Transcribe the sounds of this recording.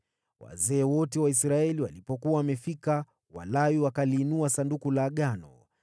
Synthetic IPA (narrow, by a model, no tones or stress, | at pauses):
wa̰zɛːwɔtɛwais̬ɾaɛliwalipɔkuwawamɛfika | wa̰lawiwakaliːnuasandukulaːɠanɔ̰